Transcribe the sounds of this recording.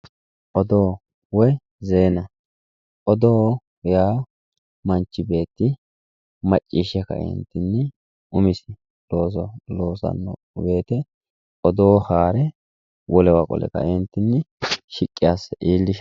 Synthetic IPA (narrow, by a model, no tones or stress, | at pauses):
ʔɔd̪oː | wɔj | zeːnɐ | ʔɔd̪oː | jaː | mɐnt͡ʃːɪbe̞ːt̪ːɪ | mɐt͡ʃʼːiːʃɛkɐ̰ɛ̰nt̪ːɪnːɛ | ʊmɪsɪ | lo̞ːs̬ɔlo̞ːsɐ̰nːɔ̰ | be̞ːt̪ɛ | ʔɔd̪oːhaːɾɛ | wɔlɛwakʼɔ̰lɛ̰kɐ̰ɛnt̪ːɪnːɪʃɪkʼːɪjasːɐʔiːlːɪʃ